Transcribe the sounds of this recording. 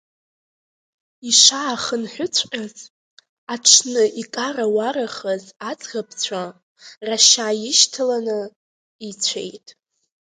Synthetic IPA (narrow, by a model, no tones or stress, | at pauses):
iʂaːχənħʷʊt͡sʷʰqʲʼaz | aʈ͡ʂʰnɨʔikʼarawaɾaχəzat͡sʼɡapʰt͡sʷʰa | raʃaːjɪʃtʰɨlanɨ | it͡sʷʰḛjtʼ